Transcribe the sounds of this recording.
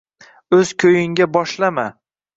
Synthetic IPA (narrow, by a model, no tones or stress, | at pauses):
ɵzkʲʰɵjɪŋɡʲabɒʃlama